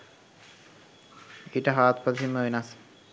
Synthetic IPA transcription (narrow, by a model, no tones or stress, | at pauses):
iʈəɦaːt̪pəd̪simːəʋenas